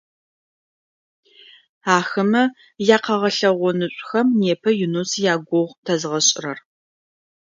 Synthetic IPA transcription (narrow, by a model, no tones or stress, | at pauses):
aːxɨmɐ | jaːqɐʁɐɬɐʁʷɔnɨɕʷʼxɐmneːpʰɐjunusjaːɡʷɔʁtʰɐzʁɐɕʼɪrɐr